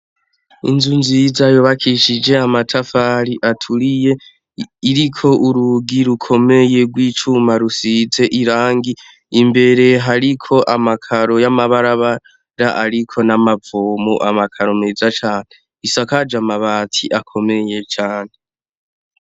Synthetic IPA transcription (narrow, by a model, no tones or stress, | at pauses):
ḭnzunzizajoβakʰiʃid͡ʒe̞amatʰafaɾiʔatʰuɾije̞ | iɾikʰo̞ʔuɾuɡiɾukʰo̞me̞je̞ɡwiːt͡ʃumaɾusize̞ʔiɾaːŋɡi | imbe̞ɾe̞ɦaɾikʰo̞ʔamakʰaɾo̞jamaβaɾaβa | ɾaʔaɾikʰo̞namavoːmuʔamakʰaɾo̞meːzat͡ʃaːne̞ | isakad͡ʒamaβaːtʰiʔakʰo̞me̞je̞t͡ʃaːne